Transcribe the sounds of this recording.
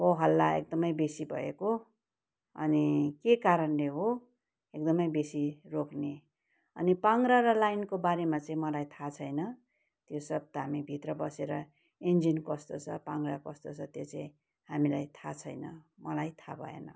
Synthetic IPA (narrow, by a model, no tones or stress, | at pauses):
oɦʌlːaḛk̚d̪ʌmʌjbesibʱʌ̰ḛko | ʌ̰nikekaɾʌnleɦo | ek̚d̪ʌmʌjbesirokne | ʌ̰nipaŋɡɾaɾʌlajnkobaɾemat͡saĩmʌlajt̪ʰat͡sʰʌjnʌ | t̪josʌb̚t̪ʌɦamibʱit̪rʌbʌseɾʌ | end͡zinkʌst̪ot͡sʰʌpaŋɡrakʌst̪ot͡sʰʌt̪jot͡saĩ | hamilajt̪ʰat͡sʰʌjnʌ̰mʌlajt̪ʰabʱʌ̰ḛnʌ